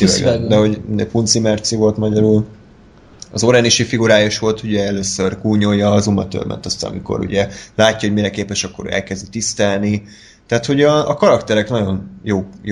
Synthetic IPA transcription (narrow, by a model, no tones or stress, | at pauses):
d̪ɛɦo̞ɟ̪d̪epunt̪simɛrt̪sivo̞lt̪mɒɟɒɾuːl | ɒzoɾɛniʃifiɡuɾaːjoʃʋo̞lt̪uɟɛɛløːsørkuːɲojɒːzumɒt̪o̰lmɛ̰nt̪ɒst̪a̰nɒ̰mḭko̰ɾṵɟɛlaːcːɒɦomiɾɛkeːpɛʃɒkːo̞ɾø̰ːɛ̰lkɛzd̪it̪ist̪ɛlni | t̪ɛaːt̪ho̞ɟɒːkɒɾɒkt̪ɛɾɛknɒɟo̞njoːj